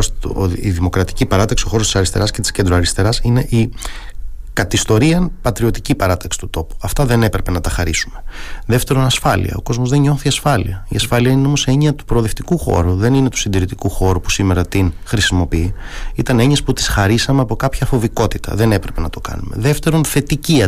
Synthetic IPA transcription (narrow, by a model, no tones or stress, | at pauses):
siðimo̞kɾɐt̪i̥cipɐɾɐt̪ɐksio̞xo̞ɾo̞si̥sɐɾist̪e̞ɾɐscet̪i̥sce̞nd̪ɾoɐɾist̪e̞ɾɐsine̞ʔi | kɐt̪ist̪o̞ɾiɐnpɐt̪ɾio̞t̪icipɐɾɐt̪ɐksi̥t̪ut̪o̞pu̥ɐft̪ɐðene̞pɾepe̞nɐt̪ɐxɐɾisume̞ðft̪eɾonɐsfɐlḭɐ̰o̞̰ko̞zmo̞zðe̞ɲɲo̞θiɐsfɐlḭɐiɐsfɐliɐineo̞moseɲiɐt̪u̥pɾoðe̞ft̪ikuxo̞̰ɾuðe̞nine̞t̪u̥sind̪iɾit̪ikuxo̞ɾupu̥sime̞ɾɐt̪inxɾisimo̞piiit̪ɐne̞ɲesput̪i̥sxɐɾisɐmeɐpo̞kɐpçɐfo̞viko̞t̪it̪ɐ̰ðe̞ne̞pɾe̞pe̞nɐt̪o̞kɐ̰nume̞̰ðeft̪e̞ɾo̞nθe̞t̪iciɐ